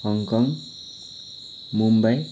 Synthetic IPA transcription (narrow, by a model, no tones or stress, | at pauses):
hʌŋkʌŋ | mumbaj